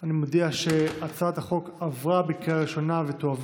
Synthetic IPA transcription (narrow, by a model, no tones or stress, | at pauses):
animod̪iaʃeat͡sad̪haχo̞kavʁabekiaʁiʃo̞navet̪oav